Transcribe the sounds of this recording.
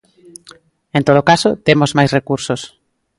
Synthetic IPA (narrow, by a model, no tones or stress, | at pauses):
ẽnt̪oð̞okasot̪emozmajsrekuɾsos